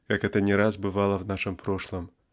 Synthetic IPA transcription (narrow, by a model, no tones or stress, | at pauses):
kakɛt̪ənʲɪɾazbɨvɑlˠəvnaʂɨmpɾoʂlˠəm